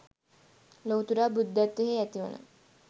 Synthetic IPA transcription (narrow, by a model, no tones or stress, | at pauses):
lowt̪uɾaːbud̪ːæt̪ːeɦeæt̪iʋə̰nə̰